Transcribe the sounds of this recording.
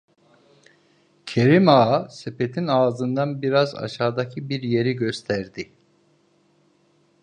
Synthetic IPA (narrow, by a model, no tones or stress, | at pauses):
cʰe̞ɾimaːsepe̞t̪ʰinaːzɯnd̪anbiɾaza̰ʃaːd̪acʰibiɾje̞ɾiɟø̞st̪ʰæɾd̪ɪ